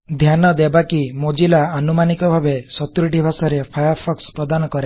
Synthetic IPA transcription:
d̪ʱjanɔd̪ebakimod͡ʒilaanumanikɔbʱabesɔt̪uɾiʈibʱasɔɾepʰajɔɾpʰɔkspɾɔd̪anɔkɔɾe

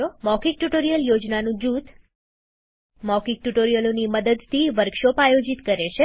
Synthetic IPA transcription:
omɔkik̚ʈuʈoɾijəljod͡ʒnanũd͡ʒut̪ | mɔkik̚ʈuʈoɾijəloniməd̪əd̪t̪ʰiʋəɾkʃopajod͡ʒit̪kəɾet͡ʃʰe

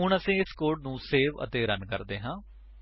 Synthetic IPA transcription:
ʊɳəsĩːɪskoːɾɖ̚nũːseːʋə̰t̪eːɾənkəɾd̪eːɦãː

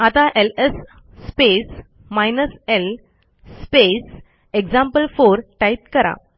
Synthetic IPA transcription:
at̪aʔelesː | pes | majnəsel | spes | ekd͡ʑãmpəlfoɾʈait̪kəɾa̰

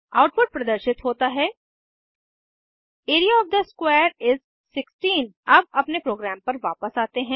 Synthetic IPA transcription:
aːʊʈpʊɖ̚pɾɐd̪əɾʃɪt̪ɦoːt̪aɦɛː | eːɾijaɔːfd̪ɐskweːɾɪz | sɪksʈiːnɐb̚ɐpnepɾoːɡɾaːmpɐɾʋaːpəsaːt̪eɦɛ̃ː

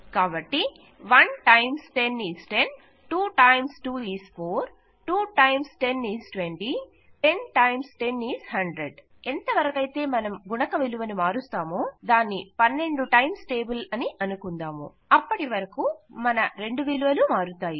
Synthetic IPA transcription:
kaːbɐʈːi | ʋɐnʈɐjmsʈe̞niːsʈe̞n | ʈuːʈɐjmsʈuːiːspʰoːɾ | ʈuːʈɐjmsʈe̞nːiːsʈʋeɳʈi | ʈe̞nʈɐjmsʈe̞nːiːzhɐɳɖɾeɖ | ent̪ɐʋɐɾɐkɐjt̪e̞ːmɐnɐmɡunɐkɐʋiluʋɐnimaːɾust̪aːmoːd̪aːnːipɐnːe̞ɳɖuʈɐjmsʈe̞ːbulɐniʔɐnukund̪aːmṵ | ɐpːɐʈiʋɐɾɐkumɐnɐɾe̞ɳɖuʋiluʋɐlumaːɾut̪aːji

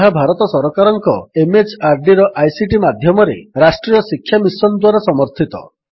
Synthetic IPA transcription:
ɦabʱaɾɔt̪ɔsɔɾɔkaɾɔŋkɔ̰emet͡ʃaɾɖiɾɔʔajsiʈimad̪ʱjɔmɔɾḛɾasʈɾijɔsikʰːjamisɔnd̪waɾasɔmɔɾt̪ʰit̪ɔ̰

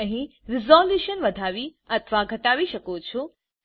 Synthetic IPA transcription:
əɦĩɾɪzɔljuʃənʋəd̪ʱaʋiət̪ʰʋaɡʱəʈaʋiʃəkot͡ʃʰo

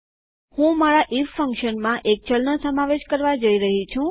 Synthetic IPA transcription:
hũmaɾaʔiffəŋkʃənmãʔek̚t͡ʃəlnəsəmaʋeʃkəɾʋad͡ʒəiɾəɦit͡ʃʰũ

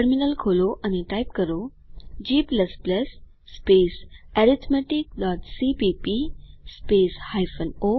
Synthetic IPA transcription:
əɾminəlkʰoloʔaniʈajpkəɾo | d͡ʑiːpləspləsː | pesɛɾit̪ʰmɛʈik̚ɖɔʈsipipispeshajfəno

